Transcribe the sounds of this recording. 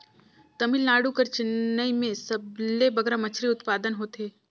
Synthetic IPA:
t̪ɐmɪlnaːɽukɐɾt͡ʃɪnːəimẽsɐblebɐɡɾamɐt͡ʃʰɾiʊt̪paːd̪ənɦoːt̪eː

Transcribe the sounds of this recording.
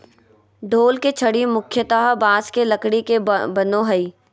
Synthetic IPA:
ɖʱoːlket͡ʃʰɐɽimʊkʰjət̪aɦbaːskelɐkɽikebɐnoɦɐiː

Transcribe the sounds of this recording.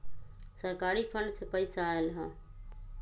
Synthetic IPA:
səɾkaɾipʰəɳɖsepəɪsaelɦə̃

